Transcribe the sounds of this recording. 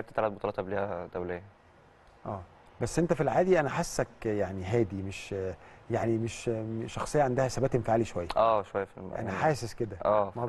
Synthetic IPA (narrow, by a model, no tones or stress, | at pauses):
eb̚t̪et̪ːælæːt̪bot̪ˤɑɾɑːt̪ʔæbliːhæd̪æwlejːæ | ʔæː | bæsːʔent̪æfilʕaːd̪iʔænæħasːækjaʕniɦæːd̪imeʃjaʕnimeʃʃɑxsˤejːɑʕand̪æhæsæbæːt̪ʔemfaʕliʃowæjːæʔæːʃowæjːæfiʔæ̰næ̰ħaːsesked̪æʔæːmæ